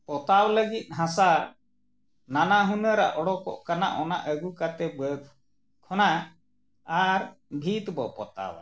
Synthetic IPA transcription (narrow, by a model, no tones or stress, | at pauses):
pɔt̪awləɡit̪̚ˀɦãsaɾ | nanaɦunəɾa̰ʔɔɽɔkɔ̰ʔkanaʔɔna̰ʔəɡukat̪ɛbək | kʰɔna | aɾbʱit̪bɔpɔ̰t̪a̰wa̰